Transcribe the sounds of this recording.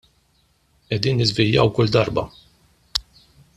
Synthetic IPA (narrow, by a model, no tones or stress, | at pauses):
ʔɛd̪iːnːɪzvɪljɐ̰wkʊld̪ɐɾbɐ̰